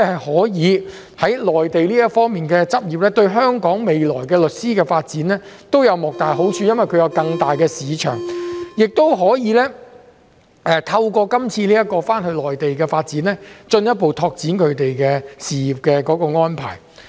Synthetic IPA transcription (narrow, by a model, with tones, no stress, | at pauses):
hɐ˨jhɔː˨˥jiː˨˧ | hɐ˨˥jlɔː˨jt̪e˨jliː˥jɐ˥tfɔː˥ŋmiː˨˩nkɛː˧t͡sɐ˥p̚jiː˨p̚lɛː˥t̪ɵ˧ɥɦœː˥ŋkɔː˨˥ŋme˨jlɔː˨˩jkɛː˧lɵ˨t̚siː˥kɛː˧faː˧t̚t͡siː˨˥nlɛː˥t̪o˥wjɐ˨˧wmɔ˨k̚t̪aː˨jɦo˨˥wt͡ʃʰyː˧jɐ˥nwɐ˨jkʰɵ˨˧ɥjɐ˨˧wkɐ˧ŋt̪aː˨jkɛː˧siː˨˧t͡ʃʰœ̰ː˨˩ŋjɪ˨k̚t̪o˥wɦɔː˨˥jiː˨˧lɛː˥ | ʔɛː˨˧t̪ʰɐ˧wkɔː˧kɐ˥mt͡sʰiː˧liː˥jɐ˥t̚kːɔː˧faː˥nhɵ˧lɔː˨˩jt̪e˨jkɛː˧faː˧t̚t͡siː˨˥nlɛː˥t͡ʃɵ˧njɐ˥t̚po˨wt̪ʰɔː˧k̚t͡siː˨˥nkʰɵ˨˧ɥt̪e˨jkɛː˧siː˨ji˨˩p̚kɛː˧kɔː˨˧˥kɔː˧ŋɔː˥npʰa̰ː˨˩j